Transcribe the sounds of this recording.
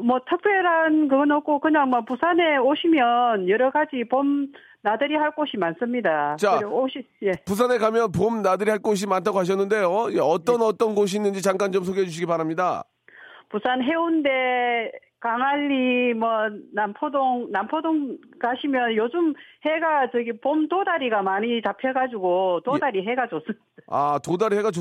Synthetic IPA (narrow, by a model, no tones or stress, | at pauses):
mwʌtʰɯk̚p͈ʰjeɾankɯɡʌnʌk͈okɯɲaŋmwʌpusʰane̞oɕʰimjʌnjʌɾʌɡad͡ʑipom | nadɯɾiɦaɭk͈oɕʰimans͈ɯmɲidat͡ɕaoɕi | jepus̬ʰanekamjʌnpomnadɯɾihaɭk͈oɕ̬ʰimantʰaɡoɦaɕ̬ʰʌnːɯnde̞jojeʌt͈ʌnʌt͈ʌnɡoɕ̬ʰiːnːɯnd͡ʑit͡ɕaŋk͈ant͡ɕoms̬ʰoɡiɦed͡ʑuɕʰiɡipaɾamɲida̰ | pusʰanɦe̞unde̞ | kaŋaʎːimwʌnampʰodoŋnampʰodoŋkaɕʰimjʌnjod͡ʑumheɡat͡ɕʌɡipomtodaɾiɡamaɲitapʰeɡad͡ʑuɡotodaɾiɦe̞ɡad͡ʑos͈ɯm | a̰todaɾiɦe̞ɡat͡ɕo